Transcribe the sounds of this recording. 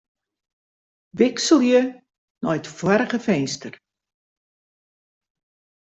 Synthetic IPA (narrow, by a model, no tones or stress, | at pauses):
ʋɪksəlˠjə | nɔjətfwaɾəχəfɛjnstər